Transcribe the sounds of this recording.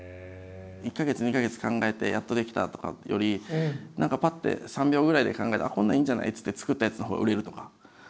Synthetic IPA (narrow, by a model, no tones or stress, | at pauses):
ikːaɡe̞t͡sɨɲ̟ikaɡe̞t͡sɨ̥kãŋɡae̞t̪e̞̰jat̪ːo̞d̪e̞kʲi̥t̪a̰t̪o̞ka̰jo̞̰ɾʲinʔãŋkapat̪ːe̞̰sãmbʲo̞ːɡɯ̟ɾaid̪e̞̰kãŋɡae̞t̪a̰kõ̞nːaĩːɲ̟d͡ʑana̰it͡sɨ̥t̪ːet͡sɨ̥kɯ̟t̪ːajat͡sɨno̞ɦo̞ːɡa̰ʔɯ̟ɾe̞ɾɯ̟t̪o̞kḁ